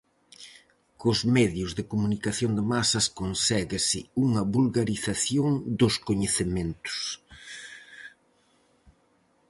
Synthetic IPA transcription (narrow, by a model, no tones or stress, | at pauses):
kʊzmɛðjʊzðɪkomunikaθjoŋd̪ɪmasɐskonsɛɣɪsɪuŋɐβulɣaɾiθaθjoŋd̪ʊskoɲeθement̪ʊ̥s